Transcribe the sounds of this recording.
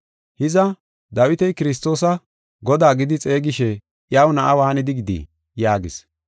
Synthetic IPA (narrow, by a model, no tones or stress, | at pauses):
hɪzɐ | d̪ɐwɪt̪ɛjkɪɾɪs̬t̪ːo̞ːsɐ | ɡɔd̪aːɡɪd̪ɪt͡sʼe̞ːɡɪʃɛ | ʔjawnɐʔɐwaːnɪd̪ɪɡɪd̪ḭ | jaːɡɪs